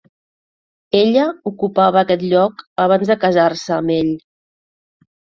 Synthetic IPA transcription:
eʎəukupaβəːkɛt̪ʎɔkəβ̞anzðəkəzarsəːmeʎ

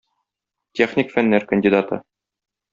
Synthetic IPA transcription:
t̪ʲeχnʲɪkfænːæɾkənʲdʲid̪at̪ɤ̰

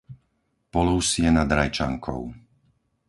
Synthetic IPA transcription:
pɔluːsiɛnad̪ɾajt͡ʃa̰ŋkʰɔ̰ʊ

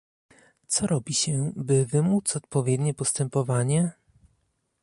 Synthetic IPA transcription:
t̪sɔɾɔbʲiɕɛbɘvɘmut̪sɔt̪pɔvʲjɛd̪ɲɛpɔst̪ɛmpɔvaɲɛ

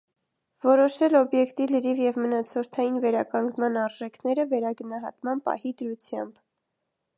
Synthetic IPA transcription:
vɔɾɔʃɛlɔbjɛkt̪iləɾivjɛvmənɑt͡sʰɔɾt̪ʰɑjinvɛɾɑkɑŋɡnmɑnɑɾʒɛkʰnɛɾəvɛɾɑɡənɑɦɑ̰t̪mɑnpɑ̰hid̪əɾut͡sʰjɑ̰mb

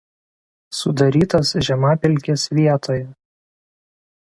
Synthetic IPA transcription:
sʊd̪ɐɾʲiːt̪ɐsʒʲɛmaːpʲɪlʲkʲesʋʲiɛt̪ʰoːjɛ

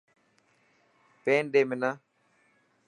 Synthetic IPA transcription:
peːnɗeːmɪna

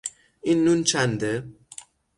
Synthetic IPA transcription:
inːunt͡ʃʰand̪e

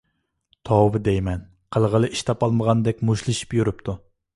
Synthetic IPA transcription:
t̪ʰɑvɨd̪ejmɛn | qʰəlˠʁəlˠɨʔiʃt̪ʰɑpɑlˠməʁɑnd̪ɛkʲmuʃlˠɨʃi̥pjuɾɨpt̪ʰu

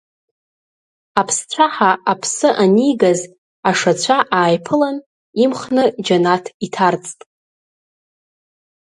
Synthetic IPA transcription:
apʰst͡ɕʷʰaħaapʰsɨʔanijɡaz | aʂat͡ɕʷʰaʔaːjpʰɨlan | imχnɨd͡ʒanatʰitʰart͡sʼtʼ

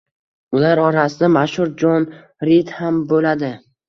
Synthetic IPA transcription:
ʊlaɾɒɾasɪd̪amaʃhʊɾd͡ʒɒn | ɾit̪hambolad̪ɪ

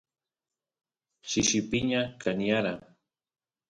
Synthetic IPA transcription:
ʃɪʃɪpɪɲakʰanjaɾa

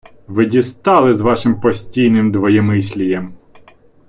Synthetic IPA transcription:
ʋɪdʲist̪ɑlˠɪzʋɑʃɪmpɔsʲtʲijnɪmd̪ʋɔjɛmɪsʲlʲijɛm

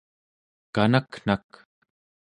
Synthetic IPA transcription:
kanakn̥ak

